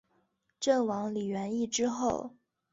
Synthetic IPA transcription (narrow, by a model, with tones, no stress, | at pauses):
ʈ͡ʂə˥˩ŋwɑ˧˥ŋli˨˩ɥɛ˧˥ni˥˩ʈ͡ʂɻ̩˥xo˥˩ʊ